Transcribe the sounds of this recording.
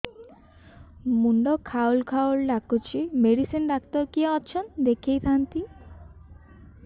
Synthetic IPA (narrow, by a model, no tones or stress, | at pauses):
muɳɖɔkʰawlkʰawlɖakut͡ʃʰimeɽisinɾak̚t̪ɔkiaɔt͡ʃʰɔnd̪ekʰejt̪ʰant̪i